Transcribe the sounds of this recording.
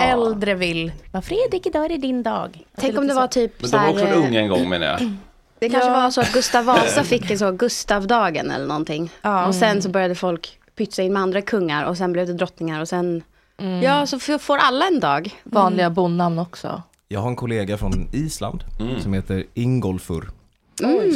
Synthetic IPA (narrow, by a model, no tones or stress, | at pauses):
ɛld̪ɾəvɪlvafɾeːd̪ɾɪkɪd̪ɑːɛɾɛd̪ɪnd̪ɑ̰ːɡt̪tʰɛkɔmdd̪ɛvaʈ̪ʰyːpɛæːɾɔkksɔɵŋːɛnɡɔŋːmḛːna̰jɑ̰ | d̪̥ɛkʰanʂəvaɾsɔat̪̚ɡɵst̪avːɑːsafɪkːɛns̬ɔɡɵst̪avd̪ɑːɡə̰nɛ̰lːəɳɔnt̪ʰɪŋːɑːɔsɛnsɔbœɾjad̪əfɔlk | pʰʏt̪saɪnmɛand̪ɾakʰɵŋːaɾʔɔ̰s̬ɛnblɛvd̪ɛd̪ɾɔt̪nɪŋaɾɔsɛn | jɑːsɔffoːɾʔalːaɛnd̪ɑːɡvɑːnlɪɡabʊnːanːɔksɔ̰ | jɑːɡhaɾɛnkʰʊleːɡafɾɔniːsla̰nd̪sɔmheːt̪əɾɪŋɡɔlfɵ̰ɾ | m̩